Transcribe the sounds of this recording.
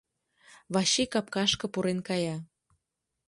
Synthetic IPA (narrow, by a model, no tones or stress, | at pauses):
βɑɕikɑp̚kɑʃkɤ̆puɾenkɑjɑ